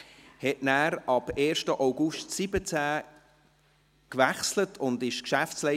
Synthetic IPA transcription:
hɛʔnæːɾɑb̥eːɾʃtəʔawɡʊʃtsibət͡sæː | kʋæχslətʰʊndɪʃkʃæftslɛ

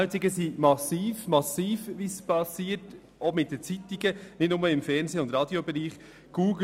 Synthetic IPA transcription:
t͡siɡəsimɑsiːfmɑsiːfʋispɑsiːət | omɪt̚dət͡sitiɡənɪtnʊməɪmfɛɾnseːʊnd̪ɾɑːd̥jobɛɾiːχ | ɡ̥uːɡ

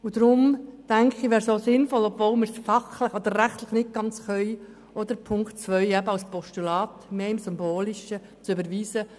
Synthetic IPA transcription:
ud̥̪ɾʊmtæŋkχiʋɛːɾsoːsɪnfɔlɔbvoːlməɾsfɑχləχɔd̪əɾːæχt̪ləχnɪt̚ɡ̥ɑnt͡sχœʏ | ʔɔd̪̥əɾpʰʊŋkt͡sʋœʏæbəɑwspɔʃtulɑːt̪meːɪmsʏmboːliʃə | t͡sybəɾʋiːsə

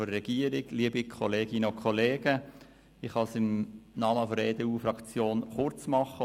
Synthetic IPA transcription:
ɔɾːɛɡ̥iəɾɪɡliəbikʰɔleːɡ̥ɪnəokʰχɔleːɡ̥ə | ɪχhɑsɪmnɑːməfɔɾeːd̥̪euːfɾɑkt͡sjoːnχʊɾt͡smɑχə

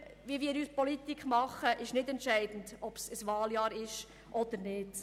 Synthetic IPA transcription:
ʋiːvʋiːɾyːspɔlit̪ikχmɑχːəʔɪʃnɪdɛntʃɛɪd̥n̩dɔpsəsʋɑːljɑːɾɪʃ | ʔɔd̪əɾnɪt

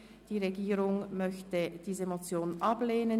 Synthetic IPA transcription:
d̥iːʁeɡiːʁʊŋmœçtəd̥iːzəmot͡sjoːnʔɑbleːnən

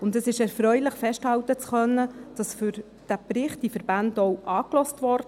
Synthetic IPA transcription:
ʊndəsɪʃɛɾfɾœʏlɪχfɛʃthɑwtət͡sχœnːəd̥ɑsfʏɾ | d̥æpɾɪχt̚ifəɾbændɔwʔɑːklɔstʋɔɾd

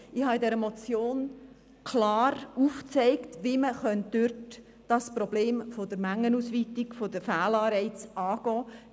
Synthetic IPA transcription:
ɪhɑidɛɾəmɔt͡sjoːn | kʰlɑːɾuft͡sɛɪktʋiməχœntd̥øɾt | d̥ɑspɾɔbleːmfod̪əɾmæŋːənuːsʋiːt̪ɪkfodəfæːlɑːɾɛɪt͡sɑːɡ̥ɔː

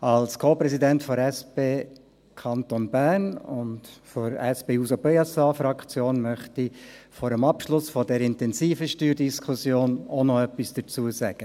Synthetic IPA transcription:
alskʰoːpɾɛsidɛntfɔɾɛspeː | kʰɑnt̪onbæːrnʊntfɔɾɛsb̥eːusopeɑsɑfɾɑkt͡sjoːnmœχtifɔːɾəmɑpʃlʊsfɔdɛɾɪntɛnziːfəʃtyːɾdiskʰʊsjoːnonɔœpːisd̥ət͡suəsæɡ̥ə

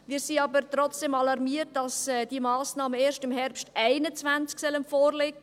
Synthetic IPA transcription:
miːsiɑbəɾtɾɔt͡sd̥ɛmɑlɑɾmiːərt̚dɑsɛːd̥imɑːsnɑːməeːʃtɪmɦɛrpstʔæɪnət͡svænt͡sksœlənfoːrlɪɡə

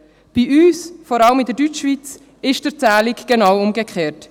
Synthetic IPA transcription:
b̥iʔyːsfɔɾɑləmɪdəɾdyt͡ʃvit͡s | ɪʃd̥əɾt͡sæːlikɡ̥enɑwʊmɡəkχeːɾt

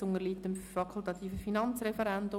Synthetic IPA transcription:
ʊŋəliːtːəmfɑkʰʊlˠt̪ɑt̪ʰiːfəfinɑnt͡srɛfɛɾɛnd̪ʊ

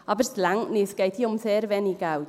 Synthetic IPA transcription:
abərslaŋniθɡ̥ejtʰiɔmθɛɾvɛniɡaw

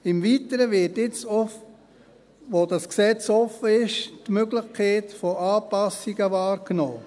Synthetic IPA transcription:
ɪmviːtəɾəvɪtɪt͡sɔf | ʋodɑsksɛt͡sɔfəɪʃtmøɡlɪχkʰɛːtfoʔaːpɑsiɡəvaːɾknoː

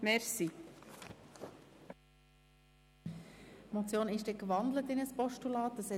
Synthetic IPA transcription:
mɛɾsi | mot͡sjoːnɪʃd̥ɛkvɑnd̪lətɪnəspɔʃtulɑːtːəsɛ

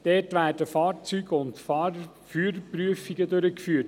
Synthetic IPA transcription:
d̥ɛːtʋæːrdəfɑːrt͡syːɡəʊntfɑːɾ | fyːɾpryəfiɡədøɾəkfyːəɾt

